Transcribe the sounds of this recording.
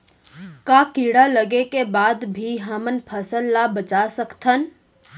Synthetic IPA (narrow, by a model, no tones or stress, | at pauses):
kakiɽaləɡekebad̪bʱiɦəmənpʰəsəlːabət͡ʃasəkt̪ʰən